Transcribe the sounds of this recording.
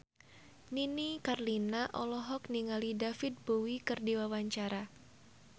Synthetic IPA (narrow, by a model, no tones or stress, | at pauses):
ninikarlinaʔɔlɔɦɔk̚niŋalidafɪt̪̚bowikɨrdiwawaɲt͡ʃaɾa